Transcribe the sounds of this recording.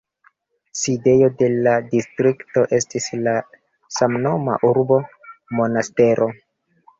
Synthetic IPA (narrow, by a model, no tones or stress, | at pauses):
side̞jo̞de̞ladistɾikto̞ʔe̞stisla | samno̞ma̰ʔuɾbo̞mo̞naste̞ɾo̞